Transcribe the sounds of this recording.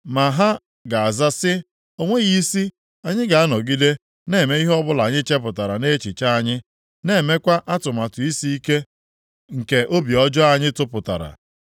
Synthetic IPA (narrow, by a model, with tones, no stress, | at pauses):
ma˨ɦa˦ | ɡa˨a˨za˦sɪ˦ | o˦ŋʷe˦ɣi˦si˦ | a˨ɲɪ˦ɡa˨a˦nɔ˨ɡi˦de˦ | ne˦˨me˦i˦ɦɔ˦bʊ˦la˨ɲɪ˦t͡ʃe˦p̬ʊ˨ta˨ɾa˨ne˦t͡ʃi˨t͡ʃa˦a˨ɲɪ˦ | ne˦˨me˦kʷa˦ʔa˦tʊ˨ma˨tʊ˨i˦si˦i˦ke˦ | ŋ̩˨ke˨ʔo˦bi˨ɔ˦d͡ʒɔ˦a˨ɲɪ˦tʊ˦pʊ˨ta̰˨ɾa̰˨